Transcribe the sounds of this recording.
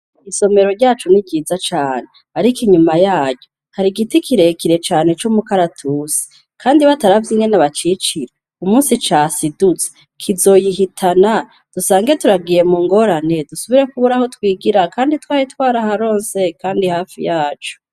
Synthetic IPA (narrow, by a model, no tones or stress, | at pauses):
iso̞me̞ɾo̞ɾɟaːt͡ʃunibɟiːzat͡ʃaːne | aɾikiɲumajaːɟɟo | haɾiɡitikʰiɾe̞kiɾe̞t͡ʃaːne̞t͡ʃumukaɾatʰuse̥ | kaːndiβataɾavjiŋɡenaβat͡ʃit͡ʃiɾe | umuːnsit͡ʃaːsidut͡se̥ | kʰizo̞jiɦitʰana | d̥usaːŋɡetuɾaɡije̞muːŋɡo̞ɾane̞dusuβiɾe̞kuβuɾaho̞twiːɡiɾakaːnditwaːɾitwaːɾahaɾo̞ːnse̞kaːndihaːfḭjaːt͡ʃu̥